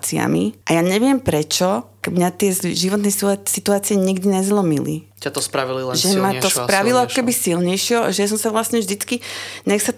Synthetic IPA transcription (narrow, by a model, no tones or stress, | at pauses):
t͡sia̰mḭʔajaːɲɛʋɪɛmpɾɛt͡ʃɔkmɲat̪ɪɛʒiʋɔt̪nɛjsit̪uaːt͡siɛɲiɡd̪iɲɛzlɔmilḭ | t̪ɔspɾaʋilʒɛmat̪ɔspɾaʋilɔakɔ̥kɛbisilɲɛjʃɪɔaʒɛjas̬ɔmsaʋlasɲɛvʒd̪it͡skiɲɛxsa